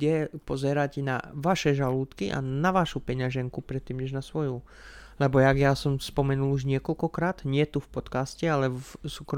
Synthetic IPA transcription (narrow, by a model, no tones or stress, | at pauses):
ɛpɔzɛɾacɛna̰ʋaʃɛʒaluːt̪kiʔa̰naʋaʃupɛɲaʒɛŋkupɾɛt̪ːiːmɲɛʒnasʋɔju | lɛbɔjaɡjasɔmspɔmɛnuluʒɲɪɛkɔlkɔkɾaːd̪̥ɲɪɛt̪ufpɔt̪kascɛalɛsuːkɾɔ